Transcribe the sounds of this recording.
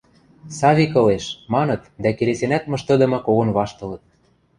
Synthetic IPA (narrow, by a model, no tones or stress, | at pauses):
sɑβʲikɤ̆leʃmɑnɤ̆t̪d̪ækelesenæt̪̚mɤ̆ʃt̪ɤ̆d̪ɤ̆mɤ̆koɣonβɑʃt̪ɤ̆lɤ̆t̪̚